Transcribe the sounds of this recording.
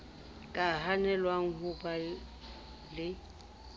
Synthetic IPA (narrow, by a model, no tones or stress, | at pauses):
kʼaɦanɛlwaŋ̩hʊpʼa | lɪ